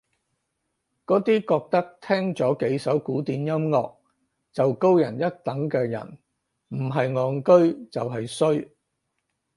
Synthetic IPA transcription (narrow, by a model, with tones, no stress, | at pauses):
kɔː˨˥t̪iː˥kɔː˧k̚t̪ɐ˥k̚t̪ʰɛː˥ŋt͡sɔː˨˥ke˨˥jsɐ˨˥wkuː˨˥t̪iː˨njɐ˥mŋɔː˧k̚ | t͡sɐ˨wko˥wjɐ̰˨˩njɐ˥t̚t̪ɐ˨˥ŋkɛː˧jɐ̰˨˩n | m̩˨˩ɦɐ˨jŋɔː˨˧ŋkɵ˥ɥt͡sɐ˨wɦɐ˨jsɵ˥ɥ